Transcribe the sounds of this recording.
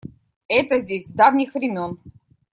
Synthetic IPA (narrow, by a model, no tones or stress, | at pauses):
ɛt̪əzʲdʲesʲd̪avnʲɪxvɾʲɪmʲon